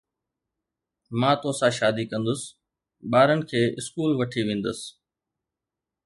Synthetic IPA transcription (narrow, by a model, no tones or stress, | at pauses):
mãːt̪oːsãʃaːd̪ikɐ̃nd̪ʊsɪ̥ | ɓaːɾənɪ̆kʰeːʔɪskuːlʋɐʈʰiʋẽːnd̪əsɪ̥